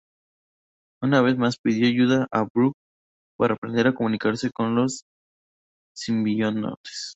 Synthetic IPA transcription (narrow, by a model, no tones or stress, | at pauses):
unaβ̞e̞zmaspiðjo̞aʝuðaʔabɾuk̚ | paɾaːpɾend̪eɾako̞mũnikaɾse̞ko̞nlo̞s | simbiono̰es